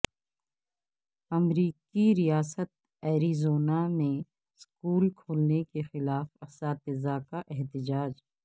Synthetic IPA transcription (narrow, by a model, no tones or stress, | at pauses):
ɐmɾiːkiɾijaːsət̪̚ | ɛːɾizoːnamẽ | skuːlkʰoːlnekexɪlaːfɐsaːt̪ɪzaːkaʔɛɦt̪ɪd͡ʒaːd͡ʒ